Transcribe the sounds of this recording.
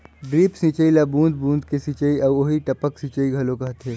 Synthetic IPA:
ɖɾiːpsĩt͡ʃəilabũːnd̪̚bũːnd̪kesĩːt͡ʃəiɐːoɦiʈɐpəksĩːt͡ʃəiɡʱɐlokɐɦt̪ʰeː

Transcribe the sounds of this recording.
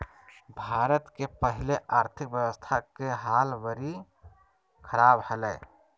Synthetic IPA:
bʱaːɾət̪kepəɦɪleʔaːɾt̪ʰɪkwjəwəst̪ʰakeɦaːlʋəɾi | kʰəɾaːbhəlɛː

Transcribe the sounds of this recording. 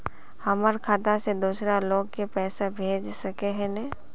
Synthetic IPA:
hɐməɾkʰaːt̪ased̪uːsɾaloːɡkepɛːsabʱeːd͡ʒsɐkeɦɛ̃nɛ

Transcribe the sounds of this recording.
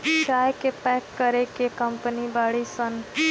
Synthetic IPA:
t͡ʃaːjkepɛkːəɾekekəmpənibaɽisən

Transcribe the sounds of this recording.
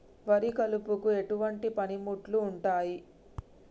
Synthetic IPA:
ʋɐɾikɐlupukue̞ʈuʋɐɳʈipɐnimuʈluːɳʈaːji

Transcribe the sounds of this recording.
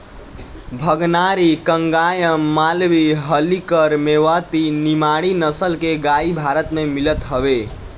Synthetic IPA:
bʱəɡnaɾikəŋɡajəmːalʋiɦəlikəɾmeʋət̪inimaɽinəsəlkeɡaibʱaɾət̪memilət̪ɦəbe

